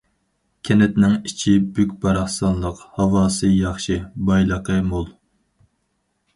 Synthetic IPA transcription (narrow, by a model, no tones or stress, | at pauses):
kʲʰɛnɛt̪nɪŋit͡ʃʰibykʲbɑɾɑχsɑnlˠəqhɑwɑːsɨjɑχʃɨbɑjlˠəqəmolˠ